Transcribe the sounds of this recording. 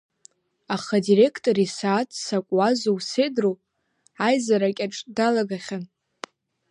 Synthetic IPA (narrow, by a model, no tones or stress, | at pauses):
aχadire̞kʰtʼoɾisaːtʰʼsakʷʼwazowse̞drow | ajzaɾakʲʼaʈ͡ʂʼdalaɡaχʲan